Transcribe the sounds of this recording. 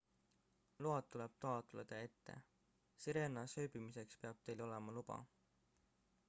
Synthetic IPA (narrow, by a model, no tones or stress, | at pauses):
luɑt̪ːule̞b̥̚t̪ɑɑˑt̪uled̪̥ɑe̞t̪ːe̞̰ | siɾe̞nɑsøjbimise̞kspeɑb̥̚t̪e̞jlo̞le̞mɑlub̥ɑ̰